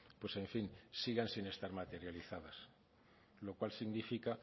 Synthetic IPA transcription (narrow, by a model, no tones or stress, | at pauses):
pwesẽ̞ɱfinsiɣansine̞st̪aɾmat̪e̞ɾjaliθaðas | lo̞kwalsiɣnifika